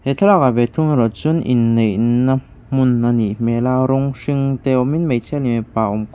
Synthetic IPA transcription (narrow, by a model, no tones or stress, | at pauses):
het̪ʰlɔkabet̪ʰuŋɾɔt͡sunʔinːena | munːanimelaɾoŋʂiŋt̪eomĩnmet͡sʰɛlnimẽpaʔomk